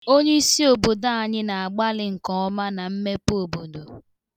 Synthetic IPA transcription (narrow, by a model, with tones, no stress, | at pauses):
o˦ɲe˦i˦si˦o˨bo˨da˦a˨ɲɪ˦na˨a˨ɡ͡ba˦lɪ˨ŋ̩˨kɔ˨ɔ˦ma˦na˨m̩˦me˦po˨bo˨do˨